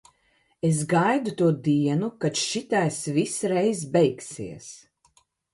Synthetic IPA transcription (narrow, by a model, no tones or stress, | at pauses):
esɡajd̪ut̪uːɔd̪iɛnukat̪ʃit̪ajsvisɾɛjzbɛjksḭɛs